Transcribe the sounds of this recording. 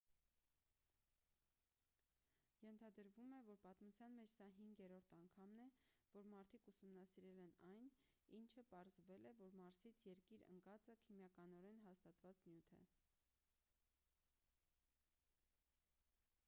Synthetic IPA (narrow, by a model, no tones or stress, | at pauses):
jɛnt̪ʰɑd̪əɾvumɛvɔɾpɑt̪mut͡sʰjɑnmɛt͡ʃʰsɑɦiŋɡjɛɾɔɾt̪ʰɑŋkʰɑmnɛvɔɾmɑɾt̪ʰikusumnɑsiɾɛlɛnɑjn | int͡ʃʰəpɑɾzvɛlɛvɔɾmɑɾsit͡sʰjɛɾkiɾə̰ŋkɑt͡səkʰimjɑkɑnɔɾɛnɦɑst̪ɑt̪vɑt͡snjut̪ʰɛ̰